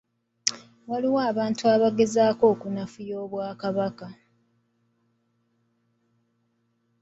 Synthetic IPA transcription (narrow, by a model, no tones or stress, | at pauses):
waliwaːβaːntuaβaɡe̞zaːko̞ːkunafujo̞ːβwaːkaβaka